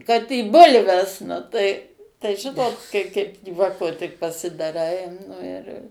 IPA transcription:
kɐt iː ˈbʊlʲʋʲɛs nʊ tɐɪ tɐɪ ˈʒʲɪnoːt kɐɪ ˈkɐɪp ˈjuɔkoː tʲɪk pɐsʲɪdɐˈrɐɪ ˈnʊ ɪr

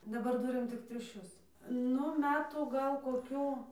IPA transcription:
dɐˈbɐr ˈtʊrʲɪm ˈtʲɪk tʲrʲʊˈʃʲʊs ˈnʊ ˈmʲæːtuː ˈɡɐlˠ koːˈkʲuː

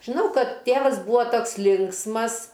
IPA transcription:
ʒʲɪˈnɐʊ ˈkɐt ˈtʲeːʋɐs ˈbuːoː ˈtoːks ˈlʲɪŋksmɐs

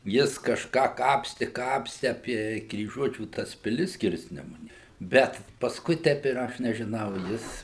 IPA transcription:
ˈjɪs kɐʃˈkɑː ˈkɑːpʲsʲtʲɪ ˈkɑːpʲsʲtʲɪ ɐpʲiɛ krʲiːˈʒuɔt͡ʃʲuː ˈtɐs pʲɪˈlʲɪs ˈsʲkʲɪrʲsʲnʲɛmʊnʲeː ˈbʲɛt pɐsˈkʊɪ ˈtʲɛp ɪr ˈɐʃ nʲɛʒʲɪˈnɐʊ ˈjɪs

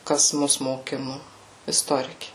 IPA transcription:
ˈkɐs ˈmʊs moːˈkʲɪnʊ ɪsˈtoːrʲɪkʲɪ

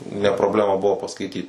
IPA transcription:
nʲɛ proːbʲˈlʲæːmɐ ˈbʊʋoː pɐskɐɪˈtʲiːt

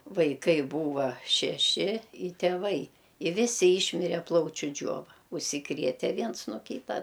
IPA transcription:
ʋɐɪˈkɐɪ ˈbuːʋɐ ʃʲɛˈʃʲɪ ɪ tʲeːˈʋɐɪ ɪ ˈʋʲɪsʲɪ ˈiːʃʲmʲɪrʲɛ ˈplˠɐʊt͡ʃʲʊ ˈd͡ʒʲoːʋɐ ʊʃʲsʲɪˈkrʲiɛtʲɛ ˈʋʲiɛns noː ˈkʲiːtɐ

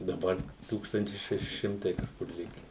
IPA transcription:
dɐˈbɐr ˈtuːkstɐnʲtʲɪs ˈʃʲæːʃʲɪ ˈʃʲɪmtɐɪ kɐʃˈkʊr ˈlʲɪkʲɛ

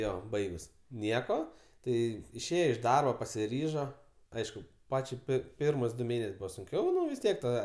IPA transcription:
ˈjoː ˈbɐɪɡʊs ˈnʲiɛkoː ˈtɐɪ ɪʃʲˈeːjoː ɪʃ ˈdɐrboː pɐsʲɪˈrʲiːʒoː ˈɐɪʃkʊ ˈpɑːt͡ʃʲɛɪ ˈpʲɪr ˈpʲɪrmʊs dʊ ˈmʲeːnʲɛsʲ ˈbuːʋɐ sʊŋʲˈkʲɛʊ ʋʲɪs ˈtʲiɛk tɐ

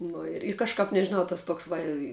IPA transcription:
ˈnʊ ɪr ɪr kɐʃˈkɐp nʲɛʒʲɪˈnɐʊ tɐs ˈtoːks ˈʋɐ ɪ

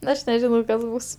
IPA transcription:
ˈɐʃ nʲɛˈʒʲɪnɐʊ ˈkɐs ˈbʊs

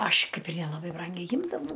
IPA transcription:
ˈɐʃ ˈkɐɪp ɪr nʲɛlˠɐˈbɐɪ ˈbrɐŋʲɡʲɛɪ ˈjɪmdɐʋɐʊ

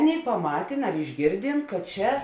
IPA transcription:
ˈɑːˌnʲeːɪ pɐˈmɑːtʲeːn ɐr ɪʒʲˈɡʲeːrʲdʲeːn kɐt ˈt͡ʃʲɛ

